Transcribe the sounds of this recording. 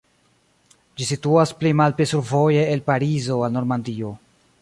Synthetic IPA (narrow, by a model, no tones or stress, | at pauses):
d͡ʒisituasplimalpɾisuɾvo̞je̞ːlpaɾizo̞alno̞ɾmandio̞